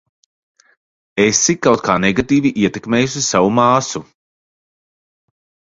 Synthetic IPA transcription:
esikawt̪̚kʰaːnɛɡat̪iːviʔiɛt̪ekmeːjuʃisavumaːsu

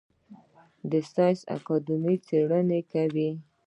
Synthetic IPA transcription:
d̪əst̪ɑjsa̰kɑd̪imit͡seɽənekawi

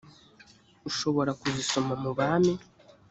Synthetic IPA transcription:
uʃo̞βo̞ɾakuziso̞mamuβaːmi

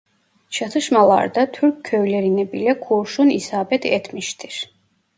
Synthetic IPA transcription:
ʃʰat̪ʰaʃmalˠa̰ɾd̪at̪ʰuɾkʰːɛvlɛɾinɛbilɛkʰuɾʃunisabɛt̪ʰɛ̰t̪ʰmiʃt̪ʰiɾ

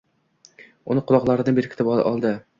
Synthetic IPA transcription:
ʊnɪqʰʊlˠɒqlˠaɾɪd̪anbeɾɪkʰɪ̥t̪ɪpɒ̰lˠd̪ɪ

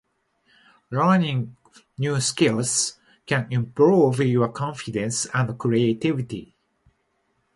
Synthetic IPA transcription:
ɹanĩŋ | njuːskɪls | kæ̃nĩmpɹuvjɔəkʰɔ̃ɱfidɛ̃nsæ̃nkɹiet̪ivit̪ḭ

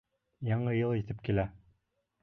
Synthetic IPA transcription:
jɑɴɤjɤlˠit̪ɘpkilæ

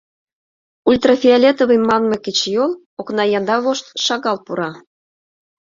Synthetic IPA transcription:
ulʲt̪rafʲialʲet̪oβəmːɑnmeket͡ɕjol | oknɑjɑnd̪ɑβoʃt̪ʃɑɣɑlpuɾɑ

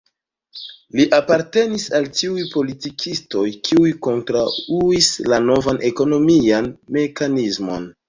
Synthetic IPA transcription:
liʔapaɾte̞nisaltiujpo̞litikʰisto̞jkʰiujko̞ntɾauislano̞vanʔeko̞no̞mianme̞kanizmo̞̰n

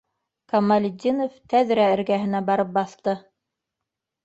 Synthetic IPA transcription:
kɐmːalʲɪd̪ʲːinoft̪æðɾæɘ̆ɾɡæɦɘ̆næbɑɾɤp̚bɑθt̪ɤ

